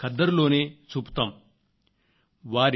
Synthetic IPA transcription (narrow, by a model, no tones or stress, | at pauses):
kɐd̪ːɐɾloːneːt͡ʃuːpu̥t̪aːm | ʋaːɾ